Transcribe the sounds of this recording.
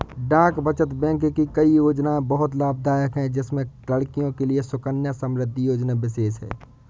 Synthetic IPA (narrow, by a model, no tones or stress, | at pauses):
ɖãːkbət͡ʃət̪bɛ̃kkikəijoːd͡ʒnaẽbəɦʊt̪laːb̚d̪ʱaːjəkɦɛ̃d͡ʒɪsmẽ | ləɽkijõkeliesʊkənjasəmɾɪd̪ʱːijoːd͡ʒnabɪseːsɦɛ̰ː